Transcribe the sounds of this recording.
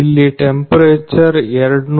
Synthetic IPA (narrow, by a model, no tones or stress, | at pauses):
ilːiʈempɐɾeːt͡ɕːɐreɾuɽn